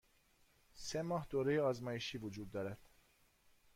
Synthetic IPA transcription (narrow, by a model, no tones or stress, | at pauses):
semɒːɦd̪oːɾejeɒːzmɒːjeʃiːvod͡ʒuːd̪ːɒːɾæd̪̥